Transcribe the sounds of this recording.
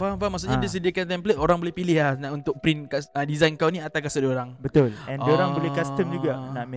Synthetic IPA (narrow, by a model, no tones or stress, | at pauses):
famfamaks̬uʔɲadis̬ədiakant̪ɛmplet̪oɾaŋbolɛhpilɪhlahnaunt̪ʊk̚pɾinkasədizajnkawnĩat̪awkasədoɾaŋbət̪ʊlɛndoɾaŋbolɛhkast̪əmd͡ʒuɡanaʔm